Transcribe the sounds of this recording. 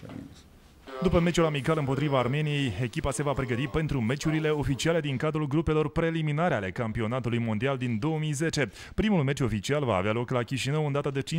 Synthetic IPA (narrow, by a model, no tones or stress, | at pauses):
d̪upəme̞t͡ʃulamikalɨmpo̞t̪ɾivaːrme̞nije̞je̞kʲipase̞vapɾe̞ɡət̪ipe̞nt̪ɾume̞t͡ʃuɾile̞o̞fit͡ʃiale̞d̪iŋkad̪ɾulɡɾupe̞lo̞rpɾe̞liminaɾeale̞kampio̞nat̪ulujmo̞nd̪iald̪ind̪o̞womijze̞t͡ʃe̞ | pɾimulme̞t͡ʃʲo̞fit͡ʃialva̰ːvealo̞klakʲiʃinəwɨnd̪at̪əd̪e̞t͡ʃi